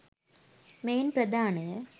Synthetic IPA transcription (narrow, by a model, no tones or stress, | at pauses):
meːnprɐd̪ʱaːɳə